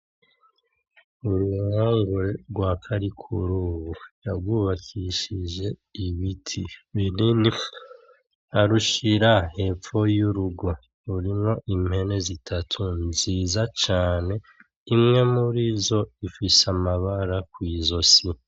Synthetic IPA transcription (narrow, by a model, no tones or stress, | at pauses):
uɾuhaːŋɡuɾeɾɡwaːkʰaɾikʰuɾuβujaɡwuːβakʰiʃiʒe̞iβitʰiβiɾini | aɾuʃiɾahe̞p͡fo̞juɾuɡo̞ | uɾimo̞ʔimhe̞ne̞zitʰatʰunziːzat͡ʃaːne̞ | imŋe̞muɾizo̞ifisamaβaɾakwiːzo̞si